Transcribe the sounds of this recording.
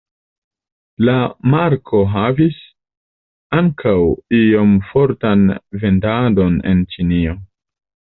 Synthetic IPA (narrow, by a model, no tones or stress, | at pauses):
lamaɾkʰo̞ɦavis | aŋkʰawio̞mfo̞ɾtanve̞ndado̞ne̞̰nt͡ʃinio̞